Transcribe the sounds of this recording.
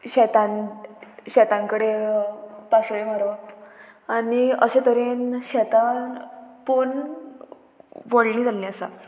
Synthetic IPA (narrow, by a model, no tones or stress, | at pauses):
ɕɛt̪ãn | ɕɛt̪ãŋkəɽe | pasʋem̤aɾʋa | aniəɕẽt̪əɾenɕɛt̪anpun | ʋoɽnĩːd͡zalniəsa̰